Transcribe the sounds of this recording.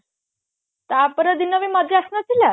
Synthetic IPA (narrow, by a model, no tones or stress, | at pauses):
t̪apəɾəd̪inəʋimad̪ʱɾiasnat͡sila